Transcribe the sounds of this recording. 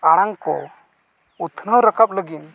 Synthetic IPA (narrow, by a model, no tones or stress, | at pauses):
aɽ̃aŋkɔ̰ | ut̪ʰnəwɾəkʰəp̚ləɡin